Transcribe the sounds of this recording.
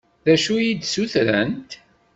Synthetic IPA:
ðæʃujid̪suθɾənt̪

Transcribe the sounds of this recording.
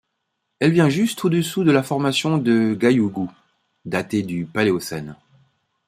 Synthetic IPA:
ɛlvjɛ̃ʒyst̪ʰod̪əsud̪əlafɔʁmasjɔ̃d̪əɡajuɡu | d̪at̪ed̪ypaleosɛn

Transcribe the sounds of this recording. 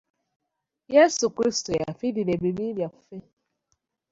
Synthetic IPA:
jesukɾistoja̰fidinebibibjaffe

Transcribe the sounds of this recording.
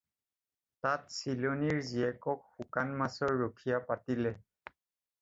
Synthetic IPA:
tatsiloniɹziɛkɔk̚xukanmasɔɹːokʰijapatilɛ

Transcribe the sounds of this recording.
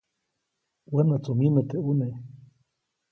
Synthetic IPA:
wənat͡somimet̪eune

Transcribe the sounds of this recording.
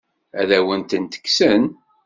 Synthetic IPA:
æðæwənt̪ənt̪ə̥kːsən

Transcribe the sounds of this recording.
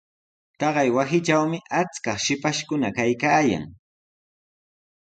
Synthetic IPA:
t̪ɑɢɑjwasɪʈ͡ʂawmɪʔat͡skɑχʃɪpaʃkʊnakajkaːja̰ŋ

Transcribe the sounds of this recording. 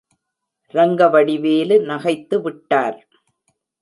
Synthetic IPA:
ɾɐŋɡɐʋɐɽɪʋeːlɯnɐɣɐɪt̪ːɯʋɪʈːaːɾ

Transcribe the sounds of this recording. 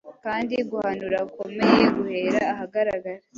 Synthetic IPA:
kaːndiɡuhanuɾako̞me̞jeɡuhe̞ːɾaːɦaɡaɾaɡaɾe

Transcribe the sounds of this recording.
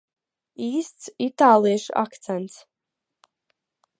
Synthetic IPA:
iːst̪sit̪aːlˠijʃa̰kt̪sɛnt̪s

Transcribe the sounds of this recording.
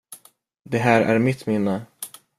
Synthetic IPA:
d̪ɛɦæːɾæ̰ɾmɪt̪ːmɪnːə

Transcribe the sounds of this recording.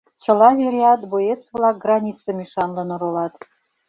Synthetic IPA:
t͡ɕə̆lɑβʲeɾʲeɑt̪bojet͡svlɑk̚ɡrɑnʲit̪t͡sɤ̆mʲiʃɑnlɤ̆noɾolɑt̪

